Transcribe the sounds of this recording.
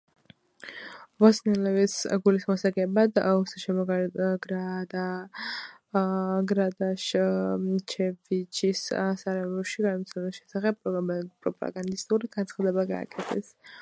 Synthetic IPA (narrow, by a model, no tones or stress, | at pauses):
vɔsnɛlɛvisɡulismɔsaɡɛbad̪usaʃɛɔɡɾad̪a | ɡɾad̪aʃ | t͡ʃʰɛvit͡ʃʰissaɾɛvɔʃiɡanɔt̪sʰɛlisʃɛsaχɛb̚pʼːɾɔpʼɾɔpʼa̰ɡand̪ist̪ʼuɾiɡ̥ant̪sχad̪ɛbaɡa̰ːkʼɛt̪ʰɛs